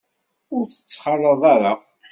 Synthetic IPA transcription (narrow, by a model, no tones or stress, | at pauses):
ʊɾθə̥t͡sːχərˤːəðˤaɾa